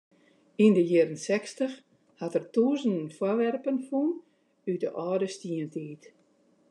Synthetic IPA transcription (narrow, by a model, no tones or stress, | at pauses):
indəjɪəɾənsɛkstəx | hatərtuːzəndənfwɔʋɛrpənfun | ydəʔɔːdəstiəntʰiːt